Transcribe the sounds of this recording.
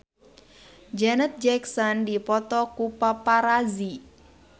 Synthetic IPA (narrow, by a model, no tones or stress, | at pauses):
d͡ʒɛnət̪̚d͡ʒɛksɔndipɔt̪ɔkupapaɾazi